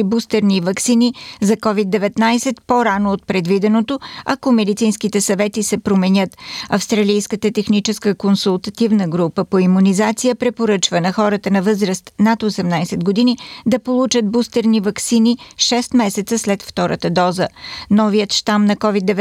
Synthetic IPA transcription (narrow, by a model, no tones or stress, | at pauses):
bust̪ɛɾnivɐksinizɐkɔvid̪̚d̪ːɛvɛt̪najsɛt̪poɾanoːt̪̚pɾɛd̪vid̪ɛnot̪oɐkomɛd̪it̪sinskit̪ɛsɐvɛt̪isɛpɾomɛnʲət̪ɐfst̪ɾɐlijskət̪ət̪ɛxnit͡ʃɛskəkonsulˠt̪ɐt̪ivnəɡɾupəpoimunizat̪sijəpɾɛpoɾət͡ʃvənɐxɔɾət̪ənɐvɤzɾəst̪nat̪osɛmnajsɛd̪ɡod̪inid̪ɐpolˠut͡ʃət̪̚bust̪ɛɾnivɐksiniʃɛst̪mɛsɛt̪səslɛt̪ft̪ɔɾə̰t̪əd̪ɔzənɔvijət̪ʃt̪amnɐkɔvid̪ːɛvɛ